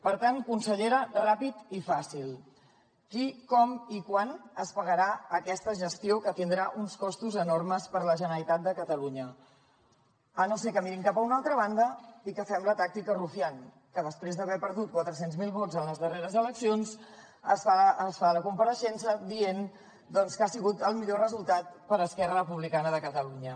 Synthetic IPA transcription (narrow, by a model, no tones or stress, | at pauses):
pəɾt̪ankunsəʎeɾərapit̪ifasilˠ | kikɔmikwanəspəɣəɾaəkɛst̪əʒəst̪iokət̪ind̪ɾaʔunskɔst̪uzənorməspəɾləʒənəlit̪at̪̚d̪əkət̪əluɲə | ənosekəmiɾiŋkapəunalˠt̪ɾəβ̞and̪əikəfɛmlət̪ak̚t̪ikərufian | kəðəspɾezðəβɛpəɾðut̪̚kwat̪ɾəsenzmilˠβozənləzðəreɾəzələksions | əsaəsfaləkumpəɾəʃɛnsəd̪ien | d̪ɔnskasiɣut̪əlˠmiʎorəzulˠt̪at̪̚pəɾəskɛrərəpuβlikanəðəkət̪əluɲə